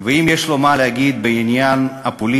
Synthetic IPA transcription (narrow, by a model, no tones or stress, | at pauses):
veimjeʃlo̞malehaɡid̪̚beinjanapoli